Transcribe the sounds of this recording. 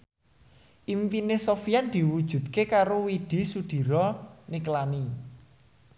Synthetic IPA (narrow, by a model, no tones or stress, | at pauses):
ʔimpinesofiand̪̥i̤wud̥ʒ̥ṳt̪kekaɾowid̪̥i̤sud̪̥i̤ɾɔniklani